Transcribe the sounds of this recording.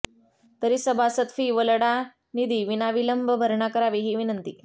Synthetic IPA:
t̪əɾiːsəbʱasət̪fiːʋəlɽa | nid̪iːʋinaʋiləmbʱəbʱəɾɳakəɾaʋiɦiːʋinənt̪iː

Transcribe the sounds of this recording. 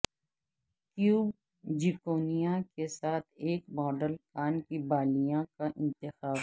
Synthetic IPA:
kjuːb | d͡ʒɪkoːnijakesaːt̪ʰeːkmɔːɖəlkaːnkibaːlijãkaʔɪ̃nt̪ɪxaːb

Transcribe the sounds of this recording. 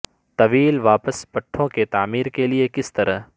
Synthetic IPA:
t̪ɐʋiːlʋaːpəspɐʈʰːõket̪aːmiːɾkeliekɪst̪ɐɾəɦ

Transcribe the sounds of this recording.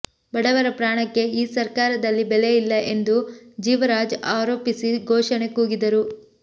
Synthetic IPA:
bɐɽɐʋɐɾɐpɾaːɳɐkːe̞iːsɐɾkaːɾɐd̪ɐlːibele̞jilːɐʔe̞nd̪ud͡ʒiːʋɐɾaːd͡ʒaːɾoːpisiɡʱoːʃɐɳe̞kuːɡid̪ɐɾu

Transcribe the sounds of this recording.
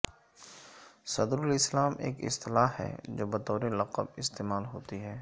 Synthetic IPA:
sɐd̪ɾʊlɪslaːmḛːkɪ̰st̪ɪlaːɦɛ̰ːd͡ʒoːbɐt̪ɔːɾelɐqəbɪst̪eːmaːlɦoːt̪iɦɛː

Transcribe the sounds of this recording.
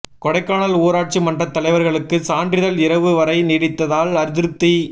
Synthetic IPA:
kɔɽɐɪkːaːɳɐluːɾaːʈ̚t͡ʃimɐndrɐt̪ːɐlɐɪʋɐɾɣɐɭɯkːɯsaːndrɪðɐlɪɾɐʋɯʋɐɾɐɪniːɽɪt̪ːɐðaːlɐɾɯðɪɾɯt̪ːi

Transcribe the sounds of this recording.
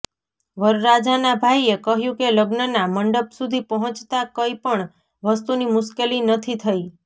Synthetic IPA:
ʋəɾɾad͡ʒanabʱaiekəɦjũkeləɡnənaməɳɖəpsud̪ʱipəɦɔ̃t͡ʃt̪akəipəɳ | ʋəst̪unimʊʃkelinət̪ʰit̪ʰəi

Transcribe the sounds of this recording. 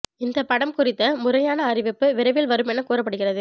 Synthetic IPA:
ɪnd̪ɐpɐɽɐmkʊrɪt̪ːɐmʊrɐjaːnɐːrɪʋɛpːɯʋɪɾɐʋɪlʋɐɾɯmɛnːɐkuːrɐpːɐɽɯɣɪrɐðɯ

